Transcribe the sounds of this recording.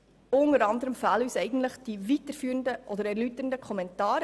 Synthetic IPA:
ʊnəɾɑndəɾəmfælyːsɛɪɡən̩tləχd̥ivitəɾfyːɾəndəʔɔdəɾæɾlytəndəkʰɔmɛntɑːɾ

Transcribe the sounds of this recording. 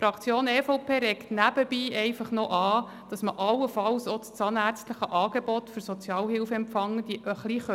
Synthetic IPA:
fɾɑkt͡sjoːnɛfoʊpʰeːɾɛktnæb̥əb̥iːɛɪfɑχnɔʔɑː | d̥ɑsməʔɑlːəfɑlsɔst͡sɑːnæɾt͡stləχəʔɑːɡ̥ebɔt̪fɵɾsɔt͡sjɑːlɦɪlfəɛmfɑŋːəd̥iʔəχliχø

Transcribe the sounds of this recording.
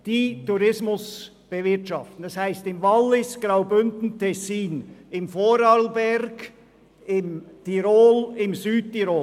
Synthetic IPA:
d̥iːtuɾɪsmʊs | b̥əvɪɐtʃɑftn̩dɑshæɪstɪmvɑlːɪsɡ̥ɾaʊbʏndn̩tʰɛsiːnɪmfoːɾɑlbɛɾɡ | ɪmtʰiɾoːlɪmzyːd̚tiɾoː

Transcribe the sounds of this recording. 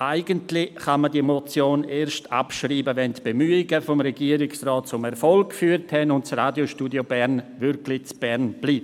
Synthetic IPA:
ʔaɪɡəntlɪχamədiemot͡sjoːneːɾʃta̰pʃriːbəvɛntb̥emyːɪɡəfomɾɛɡiəɾɪksrɔːt̚t͡sʊmɛɾfɔlkkfyːɾthɛnʊntt͡sraːdjoʃtuːdjobɛɾnvʏɾklɪt͡sb̥ɛɾnb̥liː

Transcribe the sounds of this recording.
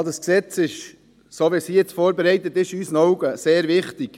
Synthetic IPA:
dɑsksɛt͡sɪʃ | soːʋisijɛt͡sfoːɾbɛɾɛɪt̪ət̪ɪʃysənɔwɡəseːɾvɪχt̪ɪk

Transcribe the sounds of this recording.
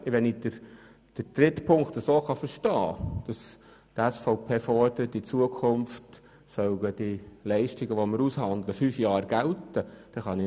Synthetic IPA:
ɪʋɛnid̥əɾ | d̥əd̥ɾɪtpʰʊŋktəsoːχɑfəɾʃtɑ̰ːd̥ɑs | tæsfɔʊpʰeːfɔrd̥əɾətːɪt͡suəkʰʊmft | sœlɡəd̥iɪlɛɪʃtɪɡəʋoməɾushɑnd̪ləfyfjɑːɾɡ̥æltəd̥ɛχɑni

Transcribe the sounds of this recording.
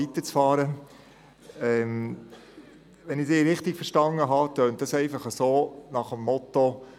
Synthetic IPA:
it̪ət͡sfɑːɾə | ɛm | ʋɛnɪsɪːɾɪχtɪkfəɾʃtɑŋəɦɑtœːntdɑsɛɪfɑχəsoːnɑχəmːɔt̪o

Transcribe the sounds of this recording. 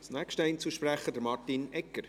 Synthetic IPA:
snɛːkʃtəɛɪnt͡suʃpræχədəɾmɑrtinɛkːəɾ

